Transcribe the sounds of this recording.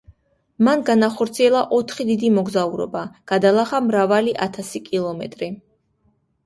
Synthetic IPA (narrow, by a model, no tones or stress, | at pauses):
manɡanaχɔɾt̪sʰiɛlˠaʔɔt̪ʰχid̪id̪imɔɡzauɾɔ̰baɡ̥ad̪alˠaχamɾavaliʔat̪ʰasikʼilˠɔmɛ̰t̪ʼɾi